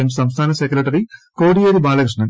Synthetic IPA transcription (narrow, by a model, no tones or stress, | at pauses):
emsɐmst̪ʰaːnɐsekuɾeʈɐɾikoːɽijeɾibaːlɐkɾiʂɳɐn